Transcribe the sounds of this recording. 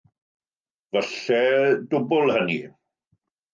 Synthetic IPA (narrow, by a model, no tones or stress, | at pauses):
vəɬɛdʊbʊlˠhəni